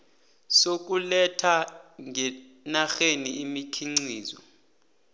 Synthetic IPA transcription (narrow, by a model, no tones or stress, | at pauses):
sok̬ʼulɛtʰaŋɛ | naxeniːmikʰiŋ͡ǀiːzɔ̰